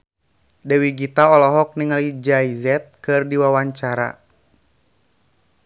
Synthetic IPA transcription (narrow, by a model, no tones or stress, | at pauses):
dɛwiɡit̪aɔlɔɦɔk̚niŋalid͡ʒajzɛt̪̚kɨrdiwawaɲt͡ʃaɾa̰